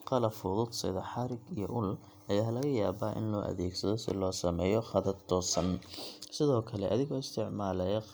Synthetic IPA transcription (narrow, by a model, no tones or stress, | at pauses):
qɑlɐfʊðʊd̪sɪ̰ðɐħɑɾɪɡijɔ̰ʔʊl | ʔɐjaːɦlɐɣɐjaːβaːʔɪ̰nlɔːʔɐ̰ðɛːɡsɐðɔsɪ̰lɔːsɐmɛːjɔχɑðɐrt̪ʰɔːsɐnsɪðɔːkʰɐlɛʔɐ̰ðɪɣɔːɪst̪ʰɪʕmaːlɛjɐ